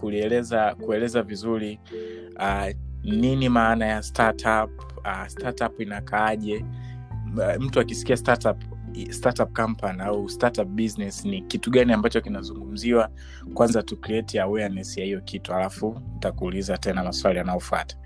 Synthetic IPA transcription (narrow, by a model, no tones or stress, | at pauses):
kuliɛlɛzakuɛlɛzavizuɾi | aninimaːnajastatʰap | astatapinakʰaaʄɛ | m̩tuakisi̥kiastatap | statap̚kam̩paniaustatap̚ɓiznɛsnikituɠaniambat͡ʃɔkinazuŋɡum̩ziwa | kwanzatukliɛtiawɛanɛsijahijɔkitualafuntakuːlizatɛnamaswalijanaɔfwa̰tḁ